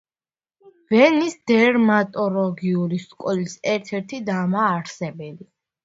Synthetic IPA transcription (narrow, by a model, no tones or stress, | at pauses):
vɛnisd̪ɛɾmat̪ʼɔlɔɡiuliskʼɔlisɛɾt̪ʰɛɾt̪ʰid̪amaːɾsɛbɛli